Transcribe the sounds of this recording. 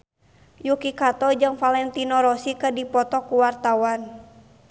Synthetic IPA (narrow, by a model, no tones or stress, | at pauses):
jukikat̪ɔd͡ʒɨŋfalɛnt̪inɔɾɔsikədipɔt̪ɔkuwart̪awan